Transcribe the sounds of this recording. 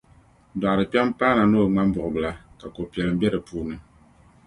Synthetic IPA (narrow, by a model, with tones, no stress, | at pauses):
da˨ʔɾɨ˨pi˦ɛ˦mpaː˦na˨noː˦˨ŋ͡ma˦m˦bɔ˨ʔɨ˨bɨ˨la˨ka˨ko˨pi˨ɛ˨lɨ˨m̩˦bɛ˦ɾɨ˨puː˦nɨ˨